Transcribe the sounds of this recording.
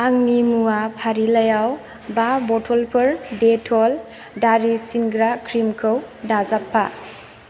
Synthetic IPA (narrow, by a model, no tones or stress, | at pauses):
aŋnimuapʰaɾilajaw | babɔtʰɔlpʰɯɾdetʰɔl | daɾisinɡɾakʰɾimkʰɯwdazapʰːa̰